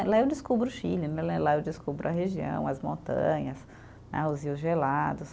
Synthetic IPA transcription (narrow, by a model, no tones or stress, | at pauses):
laewd͡ʒɪskubɾʊʃilɪnɛlɛlaewd͡ʒɪskubɾʊɐɦeʒiɐ̰̃w̃ɐzmõnt̪ɐ̰̃ɲɐs | nɛ̰ʊziwzʒelad̪ʊs